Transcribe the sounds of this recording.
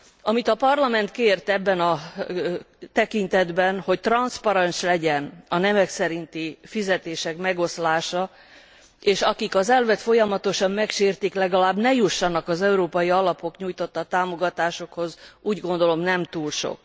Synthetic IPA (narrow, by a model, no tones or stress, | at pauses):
ɒmit̪ɒpɒrlɒmɛnt̪keːrt̪ɛbːɛnɒ | t̪ɛkint̪ɛd̪bɛnho̞ct̪rɒnspɒɾɛnʃlɛɟɛnɒnɛmɛksɛɾint̪ifizɛt̪eːʃɛkmɛɡo̞slaːʃɒ | eːʃɒkikɒzɛlvɛt̪fo̞jɒmɒt̪o̞ʃɒmmɛkʃeːrt̪iklɛɡɒlaːbnɛjuʃːɒnɒkɒzɛuɾoːpɒjiɒlɒpo̞kɲuːjt̪o̞t̪ːɒt̪aːmo̞ɡɒt̪aːʃo̞kho̞zuːɟɡo̞nd̪o̞lo̞mnɛmt̪uːlʃo̰k